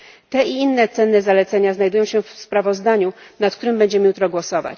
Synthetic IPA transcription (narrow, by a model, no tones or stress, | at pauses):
t̪ɛiinːɛt̪sɛnːɛzalɛt̪sɛɲaznajd̪ujɔ̃w̃ɕɛfspɾavɔzd̪aɲunat̪̚k̚t̪uɾɘmbɛɲd͡ʑɛmɘjut̪ɾɔɡwɔsɔva̰t͡ɕ